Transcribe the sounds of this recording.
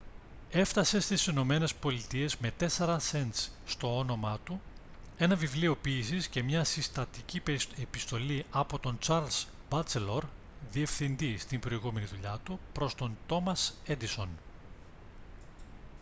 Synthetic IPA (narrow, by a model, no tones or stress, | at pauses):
e̞ft̪ɐse̞st̪isino̞me̞ne̞spo̞lit̪ie̞zme̞t̪e̞se̞ɾɐse̞nt̪sst̪o̞ono̞mɐt̪u | e̞nɐvivlio̞piːsisce̞mɲɐsist̪ɐt̪iciepist̪o̞liʔɐpo̞t̪o̞nt͡sɐɾlz̥ | bɐt͡selo̞ɾ | ðie̞fθind̪ist̪imbɾo̞iɣume̞niðuʎɐt̪upɾo̞st̪o̞nt̪o̞mɐse̞d̪iso̞n